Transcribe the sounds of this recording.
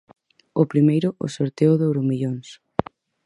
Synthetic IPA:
ʊpɾimejɾʊʔʊ̰soɾt̪eʊðowɾumiʎons

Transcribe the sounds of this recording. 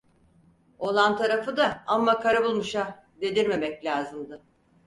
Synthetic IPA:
o̞lˠant̪ʰaɾafɯd̪aamːakʰaɾabulˠmuʃa | d̪e̞d̪iɾme̞mɛclʲaːzɯmd̪ɯ

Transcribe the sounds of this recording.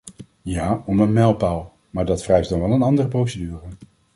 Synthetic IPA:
jaːɔmənmɛlˠpalˠ | maːɹdɑtfrɛjsdɑnʋɛlˠənɑndərəprowsedyːrə

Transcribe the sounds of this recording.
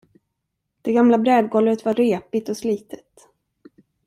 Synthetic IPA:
d̪̥ɛɡamlabɾɛːd̪̚ɡɔləɾət̪vaːeːpɪt̪ɔsliːt̪ʰə̥t̪

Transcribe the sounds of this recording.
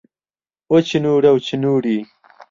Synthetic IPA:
ot͡ɕʰinuːɽɐwt͡ɕʰinuːɽiː

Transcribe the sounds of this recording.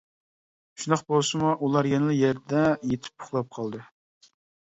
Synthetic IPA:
ʃund̪ɑqbolˠsɨmuʔulˠɑɾjɛnɨlˠɨjɛɾd̪ɛjet̪ʰɪ̥p̚pʰʊ̥χlˠɑp̚qʰɑlˠd̪ɨ

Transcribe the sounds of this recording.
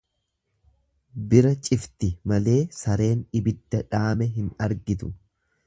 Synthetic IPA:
bɪɾɐt͡ʃʼɪft̪ɪmɐle̞ːsɐɾe̞ːnɪbɪd̪ːɐᶑaːmɛɦɪnɐɾɡɪt̪ʊ

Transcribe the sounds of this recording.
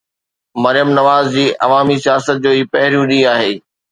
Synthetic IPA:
mɐɾijəmnɐʋaːzd͡ʑiːʔɐʋaːmisijaːsət̪̚d͡ʑoːiːpɐɦɪɾijũɗĩaːɦeː

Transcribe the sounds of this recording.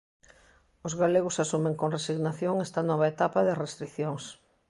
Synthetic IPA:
ʊzɣaleɣʊsasumẽŋkonresiɣnaθjoŋɛst̪ɐnɔβ̞aet̪apaðɪrest̪ɾiθjoŋs

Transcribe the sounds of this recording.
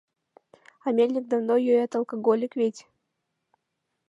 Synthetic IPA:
ɐmʲelʲnʲɪk̚d̪ɐvnojøjat̪ɐlˠkɐɡolʲɪkvʲetʲ

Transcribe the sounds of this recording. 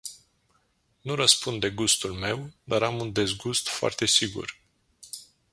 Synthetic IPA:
nuɾəspund̪d̪e̞ɡust̪ulme̞wd̪aɾamund̪e̞zɡust̪foa̰rt̪e̞siɡṵr

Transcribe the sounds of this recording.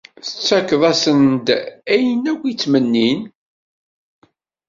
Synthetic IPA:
θə̥t͡sːækːðˤæsənd̪æjənækʷːit͡sːmənːin

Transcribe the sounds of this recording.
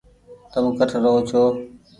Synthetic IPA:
t̪əmkəʈʰɾəɦoːt͡ʃʰoː

